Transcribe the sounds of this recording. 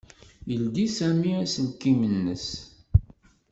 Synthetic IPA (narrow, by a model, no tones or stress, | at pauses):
jəld̪isæmiæsəlkimənːəs